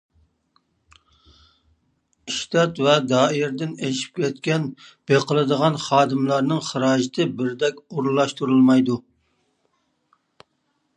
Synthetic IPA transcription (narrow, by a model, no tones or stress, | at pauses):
iʃt̪ɑt̪vɛd̪ɑːɪɾd̪ɪneʃi̥p̚kʲʰɛt̪̚kʲɛnb̥eqʰəlˠɨd̪əʁɑnχɑːd̪ɨmlˠɑɾnɨŋχəɾɑːʒɪt̪ʰɨbɪɾd̪ɛkʲoɾulˠːɑʃt̪uɾulˠmɑjd̪u